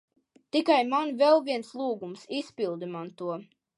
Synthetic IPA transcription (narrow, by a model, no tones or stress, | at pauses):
t̪ikajmanvɛlˠviɛnslˠuːɡumsispilˠd̪ɨmant̪uɔ